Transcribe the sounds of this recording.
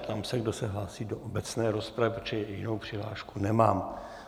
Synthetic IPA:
t̪amsɛɡdosɛɦlaːsiːdoʔobɛt͡snɛːɾospɾavɪpt͡ʃɛjɪnowpr̝̥ɪɦla̰ːʃkunɛmaːm

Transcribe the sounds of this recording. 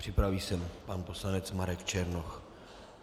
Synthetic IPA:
pr̝̥ɪpɾaviːsɛmpanposlanɛt͡smaɾɛkt͡ʃɛɾnox

